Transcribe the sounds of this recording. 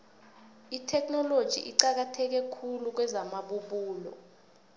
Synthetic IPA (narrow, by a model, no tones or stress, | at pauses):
itʰɛknɔlod̥ʒ̥ʱḭʔiǀak̬atʰɛk̬ɛkʰuluk̬wɛzamaɓuɓuːlɔ̰